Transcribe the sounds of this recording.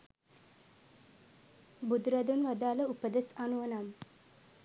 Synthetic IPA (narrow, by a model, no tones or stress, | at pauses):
bud̪ɾad̪unʋad̪aːləupəd̪esanuʋɐnam